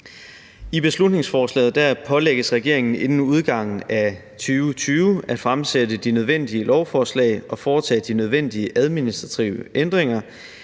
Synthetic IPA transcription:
ib̥e̝slud̥ne̝ŋsfɒːslɛ̰ːð̞̩ˠd̥æɐpʰɒ̽leɡ̥əsʁɛɡ̥e̝ɐ̰e̝ŋn̩e̝nn̩uð̞ˠɡ̥ɑ̈ŋ̰n̩æ | t͡sʰyːʊt͡sʰyːʊæd̥fʁamsedəd̥inøð̞ˠʋen̰d̥iəlɒʊfɒːslɛ̰ɪʔɒ̽fɒːt͡sʰɛ̰ːd̥inøð̞ˠʋen̰d̥iəʔæð̞ˠminisd̥ʁɑt͡sʰiʊəend̥ʁeŋ̰ɐ

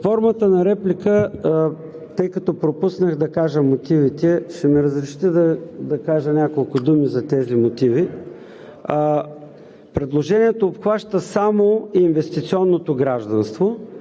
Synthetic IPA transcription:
fɔɾmət̪ənɐɾɛplʲikə | t̪ɤjkɐt̪ɔpɾopusnəxd̪ɐkaʒəmot̪ivit̪ɛʃɛmiɾəzɾɛʃi̥t̪əd̪ɐd̪ɐkaʒənʲakolˠkʊd̪umizɐt̪ɛzimot̪ivi | pɾɛd̪lˠoʒɛniɛt̪oːpxvaʃt̪əsamoinvɛst̪it̪siɔnːot̪oɡɾaʒd̪ɐnst̪vo

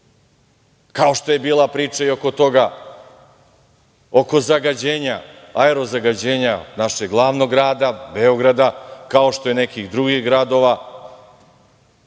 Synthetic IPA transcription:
kao̞ʃt̪o̞je̞biːlˠapɾiːt͡ʃaio̞ko̞t̪o̞ɡa | o̞ko̞zaɡad͡ʑeːɲaaeɾo̞zaɡad͡ʑeːɲanaʃeɡlˠaːʋno̞ɡɾaːd̪abeo̞ɡɾad̪akao̞ʃt̪o̞jene̞kixd̪ɾuɡiɣɡɾad̪o̞ʋa

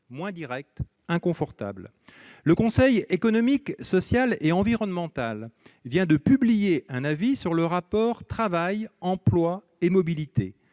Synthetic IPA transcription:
mwɛ̃d̪iʁɛk̚t̪ | ɛ̃kɔ̃fɔʁt̪a̰bl | ləkɔ̃sɛjekɔnɔmiksɔsjaleɑ̃viʁɔnmɑ̃t̪alvjɛ̃d̪əpyblijeʔɛ̃navisyʁləʁapɔʁt̪χavajɑ̃plwa | emɔbilit̪ḛ

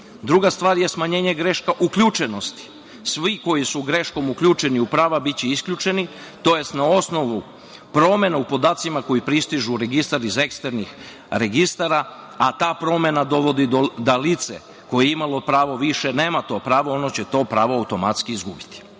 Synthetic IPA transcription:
d̪ɾuɡast̪ʋaːɾje̞smaɲe̞ːɲeɡɾe̞ʃkaʔukʎut͡ʃe̞no̞st̪i̥ | sʋiko̞jisuɡɾe̞ʃko̞mukʎuːt͡ʃe̞niupɾaːʋabit͡ɕiiskʎʲut͡ʃe̞ni | t̪o̞je̞st̪nao̞sno̞ʋu | pɾo̞me̞naupo̞d̪aːt̪simako̞jipɾist̪iʒuɾe̞ɡist̪aɾize̞kst̪eɾnix | ɾe̞ɡist̪aɾa | at̪aːpɾo̞me̞nad̪o̞ʋo̞d̪iod̪alit̪sḛ | ko̞jeimalo̞pɾaːʋoʋiʃe̞ne̞ːmat̪o̞pɾaːʋo̞o̞not͡ɕe̞t̪o̞pɾaːʋoawt̪o̞mat̪skiizɡubit̪i̥

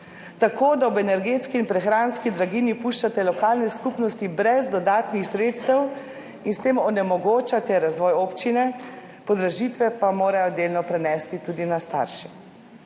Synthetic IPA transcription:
t̪akoːd̪aɔbɛnɛɾɡeːt̪skiːnpɾɛxɾaːnskid̪ɾaɡiːnipuʃt͡ʃat̪ɛlɔkaːlnɛskupnɔst̪ibɾɛzd̪ɔd̪aːt̪nixsɾeːt̪st̪ɛw | inst̪eːmɔnɛmɔɡoːt͡ʃat̪ɛɾazʋɔːjoːpt͡ʃinɛ | pɔd̪ɾaʒit̪ʋɛpamoːɾajɔd̪eːlnɔpɾɛnɛst̪it̪uːd̪inast̪a̰ɾʃi̥

